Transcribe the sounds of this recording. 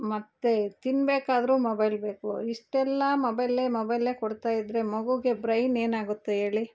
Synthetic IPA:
mɐt̪ːet̪inbeːkaːd̪ɐɾuːmobɐjlbe̞ːkuiʂʈɛlːɐmobɐjlemobɐjle̞ːkɔɽt̪aːjid̪ɾe̞mɐɡuɡe̞bɾɐjne̞ːnaːɡut̪ːee̞ːɭi

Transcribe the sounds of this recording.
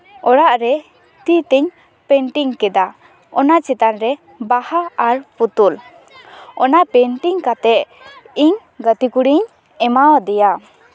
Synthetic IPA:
ɔɽaʔɾɛ | t̪it̪ɛɲ | pɛɳʈiŋkɛd̪a | ɔnat͡ʃɛt̪anɾɛ | bahaaɾput̪ul | ɔnapɛɳʈiŋkat̪ɛʔ | iɲ | ɡət̪ikuɽiɲ | ɛmawd̪ɛja

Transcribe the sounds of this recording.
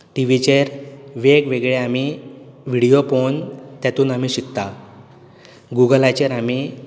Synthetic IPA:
ʈiʋit͡ɕeɾʋeɡʋeɡɭeamiʋiɽijopont̪jat̪uːnam̤iɕikt̪a | ɡuɡəlat͡ɕeɾami

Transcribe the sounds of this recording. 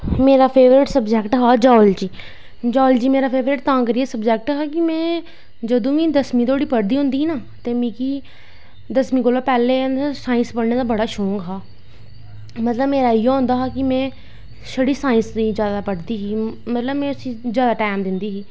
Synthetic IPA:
meːɾaːpʰeːʋɾɪʈsəbd͡ʒɛːkʈɦaːd͡ʒɔːld͡ʒiː | d͡ʒɔːld͡ʒiːmeːɾaːpʰeːʋɾɪʈ̚t̪ãːkəɾiːɛːsəbd͡ʒɛːk̚ʈɦaːkɪmɛ̃ː | d͡ʒəd̪õːʋĩːd̪əsmĩːt̪oːɽiːpəɽd̪iːɦʊ̃nd̪iːiːnaː | t̪eːmĩːki | d̪əsmĩːkoːlaːpɛːleːsãːĩnspəɽneːt̪aːbəɽaːʃoːŋɡɦaː | mət̪ləbmeːɾaːijeːɦʊ̃nd̪aːɦaːkɪmɛ̃ː | səɽiːsãːĩnsnĩzjaːd̪aːpəɽd̪iːɦiːmət̪ləbmɛ̃ːʊsĩːzjaːd̪aːʈaːmd̪ɪnd̪iːɦiː

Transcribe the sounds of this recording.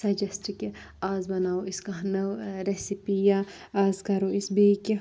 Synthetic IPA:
sɐd͡ʒɐsʈke | aːzbɐnaːoɪskɐnɐʋɾesipija | aːzkɐɾoɪsbiːke

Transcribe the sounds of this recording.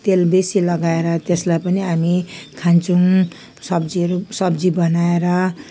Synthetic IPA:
t̪elbesilʌɡaeɾʌt̪eslajpʌniamikʰant͡sũ | sʌbd͡ziʌɾusʌbd͡zibʌnaeɾʌ

